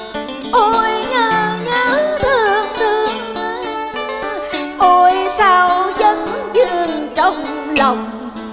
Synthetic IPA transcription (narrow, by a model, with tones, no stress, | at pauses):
ʔo˧˩jŋaː˧˩ŋaː˨˦t̪ʰɨ˨˧˩əŋt̪ɨ˧əŋ | ʔo˧˩jsaː˧wzə˧ŋzɨ˧˩əŋt͡ɕɔ˧˩wŋ͡mla˨˩wŋ͡m